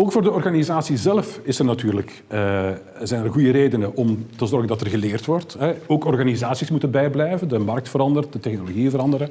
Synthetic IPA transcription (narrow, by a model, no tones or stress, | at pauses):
oːkfoːrdəɔrɣanizaːsizɛlfɪsərnatyːrlək | ə | zɛjnɛrɣujəɾeːdənəʔɔmtəzɔrɣəndɑtɛrɣəleːrtʋɔrtɦɛoːkɔrɣanizaːsismutənbɛjblɛjvəndəmɑrk̚tfəɾɑndərt̚dətɛxnoloɣiəvəɾɑndəɾə